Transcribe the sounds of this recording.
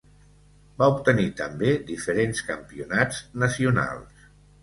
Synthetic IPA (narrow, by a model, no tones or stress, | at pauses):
baup̚t̪ənit̪əmbed̪ifəɾenskə̰mpiunad͡znəsiuna̰lˠs